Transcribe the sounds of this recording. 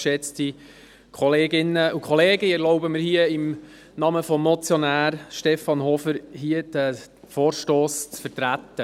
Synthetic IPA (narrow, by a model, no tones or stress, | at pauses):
ʃɛt͡sti | kʰɔleːɡɪnːəukʰχɔleːɡəɛɾlɔʊbəməɾhiəɪm | nɑməfɔmːɔt͡sjɔnæːɾʃtɛfɑnɦɔfəɾɦiəd̪̥æ | foːɾʃtoːst͡sfəɾtɾæt̪ːə